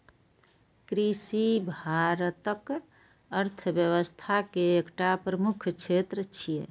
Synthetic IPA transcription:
kɾisibʱaɾət̪ək | əɾt̪ʰəbjəwəst̪ʰakeːkʈapɾəmukʰt͡ʃʰet̪ɾət͡ʃʰijḛ

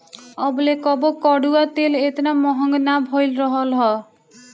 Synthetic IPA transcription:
ɔbɔlekɔbɔkɔɽuat̪elet̪namɔɦɔŋɡnabʱojlɾɔɦɔlɦɔ

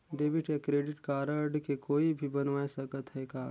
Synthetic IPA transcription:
ɖeːbɪʈekɾeːɖɪʈkaːɾəɾɖkekoːibʱibɐnʋaːesəkət̪ɦɛkaː

